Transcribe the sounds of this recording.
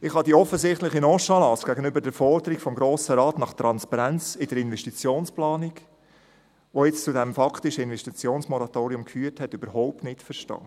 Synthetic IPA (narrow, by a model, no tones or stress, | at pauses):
ɪχhɑdiɔfəzɪχtlɪχinɔʃɑlɑsɡ̥æɡənʏbəɾdɛɾfɔɾd̪əɾikfɔmɡɾoːsəɾɑːtnɑχt̪ɾɑnspɑɾænt͡sɪdəɾɪnvɛʃtit͡sjoːnsplɑːnɪk | ʋojɛt͡st͡sudɛmfɑktɪʃəɪnvɛʃtit͡sjoːnsmɔɾɑtoːɾiʊmkfyːəɾthɛtybəɾhɔʊp̚tnɪtfəʃtɑ̰ː